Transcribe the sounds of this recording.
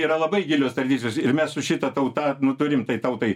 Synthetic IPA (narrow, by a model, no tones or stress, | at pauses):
iːɾɐlˠɐbɐɪɡʲɪlʲoːst̪ɾɐd̪ʲit͡sʲoːsɪɾmʲɛssʊʃʲɪt̪ɐt̪ɐʊt̪ɐnʊt̪ʊɾʲɪmt̪ɐɪt̪ɐʊt̪ɐɪ